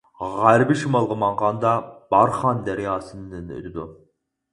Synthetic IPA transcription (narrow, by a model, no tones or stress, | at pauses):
ʁæɾbɪʃimɑlˠʁəmɑɴʁɑnd̪ɑb̥ɑɾχɑnd̪æɾɪjɑːsɨnːɨnɪ̰ɾʲd̪u